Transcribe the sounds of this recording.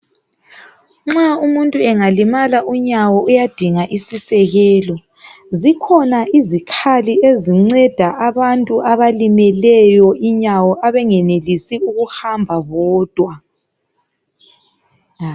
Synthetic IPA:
ŋ͡ǁaumuntʼuɛŋalimalaʔuɲawɔujad̥ʱiŋaʔisisɛɣɛːlɔ | zikʰɔnaʔizikʰalieziŋ͡ǀɛd̥ʱaʔaβantʼuʔaβalimɛlɛjɔʔiɲawɔʔaβɛŋɛnelisiuɣuhambʱaβɔːd̥ʱwa

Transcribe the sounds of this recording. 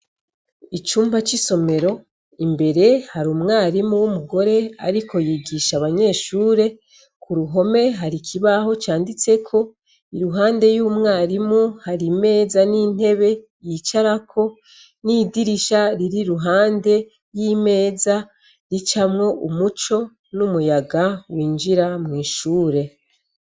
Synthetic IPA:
it͡ʃuːmbat͡ʃiso̞me̞ɾo̞ | imbe̞ɾe̞haɾumŋaːɾimuwumuɡo̞ɾe̞a̰ɾikʰo̞jiɡiʃaβaɲe̞ːʃuːɾe̞ | kʰuɾuɦo̞me̞ɦaɾikʰiβaho̞t͡ʃaːndit͡se̞kʰo̞ | iɾuɦaːnde̞juːmŋaːɾimuhaɾime̞ːzanin̥he̞βe̞ | jit͡ʃaɾakʰo̞ | nidiɾiʃaɾiɾiɾuɦaːnde̞ | jime̞ːza | ɾit͡ʃamŋo̞ʔumut͡ʃo̞ | numujaɡawiːnd͡ʒiɾamŋiːʃuːɾe̞

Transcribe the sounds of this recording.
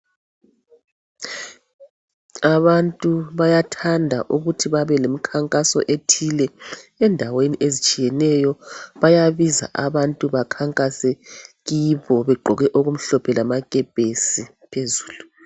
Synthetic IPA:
aβantʼuβajatʰandʱa̰ʔuɣutʰiβaβɛlemikʰaŋkʼasɔ̰ʔetʰilɛɛndʱaweniʔezit͡ʃʼijɛnɛjɔβajaβiza̰ʔaβantʼuβakʰaŋkʼasɛɣiβɔβɛɡ͡ǃʱɔɣɛʔoɣum̩ɬɔpʰɛlamaɣʼɛpʼesi | pʰezuːlu

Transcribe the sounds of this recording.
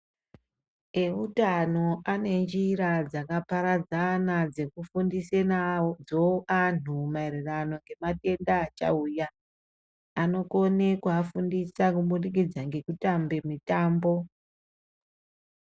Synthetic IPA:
e̞utano̞ʔane̞nd͡ʒiɾad͡zakapaɾad͡zanad͡ze̞kufundisenad͡zoanumaerirano̞ŋɡe̞mate̞ndaːt͡ʃa̰uːjaː | no̞ko̞ne̞kuafundisakuɓunik̬id͡zaŋɡe̞kutambe̞mitaːmbo̞

